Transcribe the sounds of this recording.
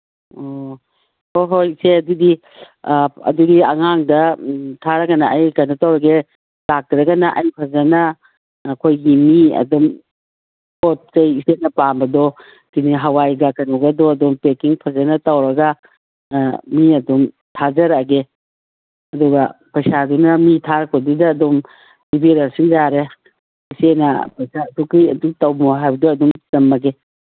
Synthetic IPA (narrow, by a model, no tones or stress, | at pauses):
o | hoɦojseɐdudi | ɐ̰dudiɐŋaŋdɐtʰaɾɐɡɐnɐːjkanɐtɐwɾɐɡe | lak̚tɾɐɡɐnɐʔɐ̰jpʰɐzɐnɐː | kʰojɡimiɐ̰dum | pʰot̚t͡ʃɐjisetnɐpambɐdɔ | kiniɦɐwajɡakɐnɔɡɐdɔɐdɔmpekiŋpʰɐzɐnɐtɐwɾɐɡa | miɐdum | tʰazɐɾaɡe | ɐduɡapɐjsadunɐmitʰaɾɐkʰodudɐːdom | ibeɾɐsiŋzaɾe | isenɐ̰pɐjsatukijɐ̰dutɐwmoɦajbɐdoɐdumtɐmɐɡe